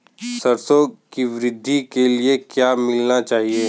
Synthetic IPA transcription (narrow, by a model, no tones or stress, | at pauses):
səɾsoːɡkiʋɾɪd̪ʱːikeliekjaːmɪlnat͡ʃaːɦie